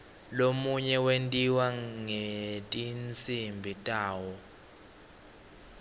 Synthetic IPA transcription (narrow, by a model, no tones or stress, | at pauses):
lomuɲɛwentʼiwaŋetʼint͡sʰʼimbʱitʼaːwɔ